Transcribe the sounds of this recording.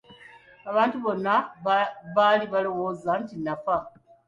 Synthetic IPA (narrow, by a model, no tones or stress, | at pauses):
aβaːntuβo̞nːa | βaːliβalo̞wo̞ːzantinafa